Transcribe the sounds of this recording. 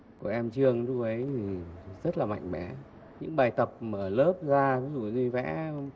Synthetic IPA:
kɔ˧˩ʔɛ˧mt͡ɕɨ˧əŋɗu˧ʔə˨˦jzə˦˥t̚laː˨˩ma̰˧˨jŋ̟ɓɛ̰˧˩˦ | ɲɨ̰˧˥ŋɓaː˨˩jt̪ə˨˩p̚məː˧˩ləː˦˥p̚zaː˧va˨˦zu˨˩ɲi˧vɛ̰˧˥

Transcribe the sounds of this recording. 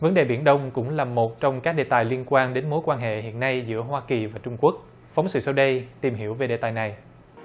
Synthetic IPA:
və˨˦nɗe˨˩ɓi˧˩ənɗə˧wŋ͡mkʊ̰˧˥ŋ͡mlaː˨˩mo˨˩t̚t͡ɕɔ˧wŋ͡mkaː˦˥k̚ɗe˨˩t̪aː˨˩jli˧ənkwaː˧nɗe˨˦nmo˨˦jkwaː˧nɦḛ˧˨ɦhḭ˧˨ənːa˧jzɨ̰˧˥əɦwaː˧ki˨˩vaː˨˩t͡ɕʊ˧ŋ͡mku˦˥ək̚ | fa˨˦wŋ͡msɨ̰˧˨sə˧wɗə˧jt̪i˨˩mɦi˧˩əwve˨˩ɗḛ˨˩t̪aː˨˩jna˨˩j

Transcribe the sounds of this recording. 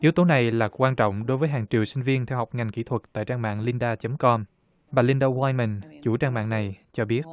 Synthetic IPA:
ʔi˨˦əwt̪o˨˦na˨˩jlaː˨˩kwaː˧nt͡ɕɔ̰˧˨wŋ͡mɗo˨˦jvəː˨˦jɦaː˨˩ŋt͡ɕḭ˨əwsï˧ŋ̟vi˧ənt̪ʰɛ˧wɦa˨˩wk͡p̚ŋa˨˩jŋ̟kḭ˧˩t̪ʰwə˨˩t̚t̪a̰ː˧˨jt͡ɕaː˧ŋma̰ː˧˨ŋli˧nɗaː˧t͡ɕə˨˦mkɔ˧m | ɓaː˨˩li˧nɗo˧waː˧jnmə˨˩nt͡ɕu˧˩t͡ɕaː˧ŋma̰ː˧˨ŋna˨˩jt͡ɕɔ˧ɓi˦˥ət̚

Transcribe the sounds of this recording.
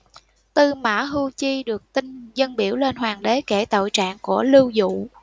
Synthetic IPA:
t̪ɨ˨˩ma̰ː˧˥ɦu˧t͡ɕi˧ɗɨ˨˩ək̚t̪ï˧ŋ̟zə˧nɓi˧˩əwle˧nɦwaː˨˩ŋɗe˨˦ke˧˩t̪o̰˧˨jt͡ɕa̰ː˧˨ŋku˧˩əlɨ˧wzṵ˧˨

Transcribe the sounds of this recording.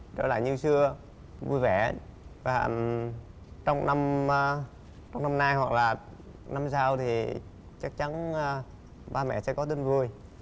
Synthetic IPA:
ɗɔ̰˨˦la̰ː˧˩ɲɨ˧wsɨ˧ə | vu˧jvɛ˧˩va̰ː˨˩ | t͡ɕɔ˧wŋ͡mna˧m˧ | t͡ɕɔ˧wŋ͡mna˧mnaː˧jhwa˨˩k̚laː˨˩ | na˧msaː˧wt̪ʰi˨˩ | t͡ɕa˦˥k̚t͡ɕa˨˦nː˧˩ | ɓaː˧mɛ̰˧˥sɛ̰˧˥kɔ˨˦t̪i˧nvu˧˩əj

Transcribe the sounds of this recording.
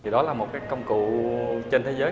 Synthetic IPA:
t̪ʰi˨˩ɗɔ˨˦laː˨˩mo˨˩t̚kaː˨˦jkə˧wŋ͡mkṵ˧˨t͡ɕe˧nt̪ʰe˨˦zəː˨˦

